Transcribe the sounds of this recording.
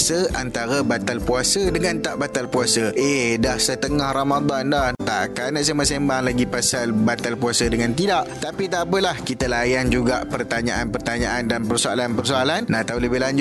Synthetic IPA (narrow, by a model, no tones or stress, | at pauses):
səant̪aɾabat̪alpuasədəŋãnt̪aʔbat̪alpuasəʔehdahsət̪əŋahramad̪andaht̪a̰ʔkanaʔs̬amasembaŋlaɡipasalbat̪alpuasədəŋãnt̪idaʔt̪apit̪aʔpəlahkit̪alajand͡ʒuɡaʔpərt̪aɲaʔanpərt̪aɲaʔandanpərsoa̰lanpərsoalannat̪awləbɪɦlaɲd͡ʒʊ